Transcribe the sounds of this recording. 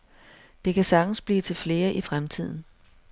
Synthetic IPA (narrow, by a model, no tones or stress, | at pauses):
d̥e̝kʰæsɑ̈ɡ̥n̩sb̥lḭːt͡sʰe̝lfle̝ːɐʔifʁamt͡sʰið̞̰ˠn̩